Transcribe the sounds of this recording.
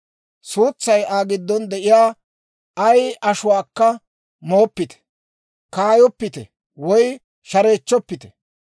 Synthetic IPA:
suːt͡sːɐjʔaːɡɪd̪ːɔnd̪ɛʔɪjaː | ɐjʔɐʃʊwaːkːɐ | moːpːɪt̪ɛ̥ | kaːjɔpːɪt̪ɛ̰ | wɔj | ʃɐɾe̞ːt͡ʃːɔpːɪt̪ɛ̥

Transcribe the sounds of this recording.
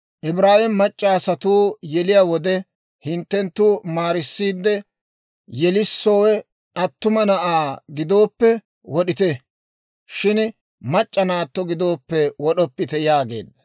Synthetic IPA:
ʔɪbɾaːʔɪmːɐt͡ʃʼːɐːsɐt̪uːjɛlɪjaːwɔd̪ɛ | hɪnt̪ːɛnt̪ːumaːɾɪsːiːd̪ːɛ | jɛlɪsːoːwɛ | ʔɐt̪ːʊmɐnɐʔaːɡɪd̪o̞ːpːɛ | wɔɗɪt̪ɛ | ʃɪn | mɐt͡ʃʼːɐnaːt̪ːɔɡɪd̪o̞ːpːɛwɔɗɔpːɪt̪ɛjaːɡe̞̰ːd̪ːɐ

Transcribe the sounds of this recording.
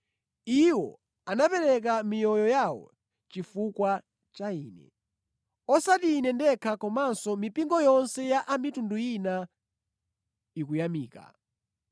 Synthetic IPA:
iwɔ | anapɛɾɛk̬amijɔjɔjawɔ̰ | t͡ʃifukwa | t͡ʃaiːnɛ̰ | ɔsatiːnɛndɛkʰakɔmansɔmipiŋɡɔjɔnsɛjaʔamitunduina | ikujamiːka̰

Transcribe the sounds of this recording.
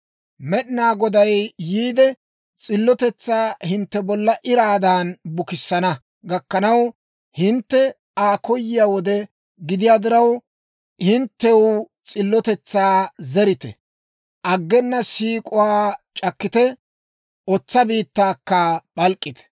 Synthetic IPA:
mɛɗɪnaːɡɔd̪ɐjːiːd̪ɛ | t͡sʼɪlːɔt̪ɛt͡sːaːhɪnt̪ːɛbɔlːɐʔɪɾaːd̪aːnbʊkɪsːɐnɐ | ɡɐkːɐnɐw | hɪnt̪ːɛ | aːkɔjːɪjaːwɔd̪ɛ | ɡɪd̪ɪjaːd̪ɪɾɐw | hɪnt̪ːɛw | t͡sʼɪlːɔt̪ɛt͡sːaːzɛɾɪt̪ɛ̰ | ʔɐɡːɛnːɐsiːkʼʊwaːt͡ʃʼɐkːɪt̪ɛ | ɔt͡sːɐbiːt̪ːaːkːɐpɐlkʼːɪt̪ɛ̥

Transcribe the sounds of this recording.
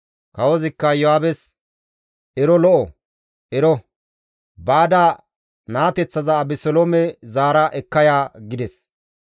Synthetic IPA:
kɐwɔzɪkːɐjɔhaːbɛs | ʔɛɾɔlɔʔɔ | ʔɛɾɔ | baːd̪a | naːt̪ɛt͡sːɐzɐːbɪsɔloːmɛzaːɾɐʔɛkːɐjaːɡɪd̪ɛs

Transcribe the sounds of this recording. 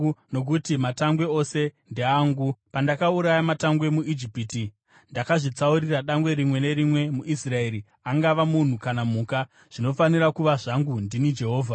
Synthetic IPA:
no̞k̬utimataŋɡwe̞o̞se̞ndeaŋɡupandakauɾajamataŋɡwe̞muid͡ʒipiti | ndakaʐit͡sauɾiraɗaŋɡwe̞ɾimwe̞ne̞ɾimwe̞muʔisrae̞ɾi | aŋɡaʋamun̤ukanamuːka | ʐ̥ino̞faniɾakuʋaʐaŋɡundinid͡ʒe̞ɦo̞ːvʱa

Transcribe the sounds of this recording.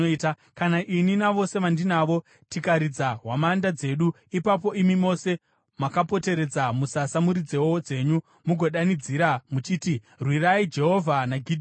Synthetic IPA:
iːta | kanaʔininaʋo̞se̞ʋandinaʋo̞ | tikaɾid͡zaɦwamandad͡ze̞ɗu | ipapo̞ʔimimo̞se̞ | makapo̞te̞ɾe̞d͡zamusasamuɾid͡ze̞wo̞d͡ze̞ɲu | muɡʱo̞ɗanid͡ziɾamut͡ʃiːti | rwiraid͡ʒe̞ɦo̞vʱanaɡʱid

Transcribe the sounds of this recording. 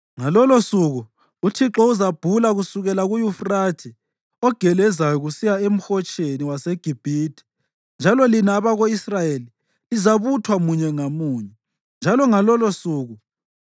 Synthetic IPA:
ŋalɔlosuɣu | utʰiǁɔuzab̥ʱulaɣusuɣɛlaɣujufratʰi | ɔɡ̥ʱɛlɛzajɔɣusijaem̩xɔt͡ʃʼeniwaseɡ̥ʱib̥ʱid̥ʱʼi̥ | nd͡ʒʱalɔlinaːβaɣoisrajeli | lizaβutʰwamuɲɛŋamuːɲɛ | nd͡ʒʱalɔŋalɔlosuːɣu

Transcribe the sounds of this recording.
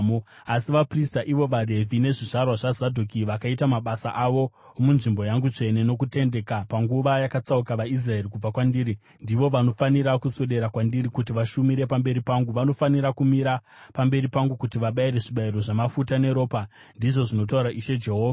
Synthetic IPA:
asiʋapristaʔiʋo̞ʋare̞vine̞ʐiʐarwaʐazadʱokiʋakaitamaɓasa̰ʔaʋo̞munʐimbo̞jaŋɡut͡ʂe̞ne̞no̞kute̞nde̞kapaŋɡuʋajakat͡saukaʋais̬rae̞ɾikub͡vakwandiːɾi | ndiʋo̞ʋano̞faniɾakuseɗe̞ɾakwandiɾikut̬iʋaʃumiɾe̞pambe̞ɾipaŋɡuʋano̞faniɾakumiɾapambe̞ɾipaŋɡukutiʋaɓaiɾe̞ʐiɓaiɾo̞ʐamafutane̞ɾo̞ːpa | ndiʐo̞ʐino̞t̬auɾaʔiʃe̞d͡ʒe̞ɦoːva

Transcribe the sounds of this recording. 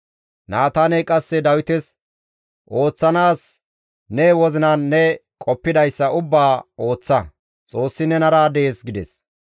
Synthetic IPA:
naːt̪aːnɛkʼɐsːɛd̪ɐwɪt̪ɛs | ʔo̞ːt͡sːɐnaːs | nɛwɔzɪnanːɛ | kʼɔpːɪd̪ɐjsːɐʊbːaːo̞ːt͡sːɐ | t͡sʼo̞ːsːɪnɛnɐɾaːd̪ɛeːsɡɪd̪ɛ̰s

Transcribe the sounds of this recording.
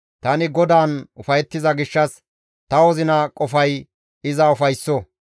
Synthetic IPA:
t̪ɐnɪɡɔd̪aːnʊfɐjɛt̪ːɪzɐɡɪʃːɐs | t̪ɐwɔzɪnɐkʼɔfɐj | ɪzɐʊfɐjsːɔ

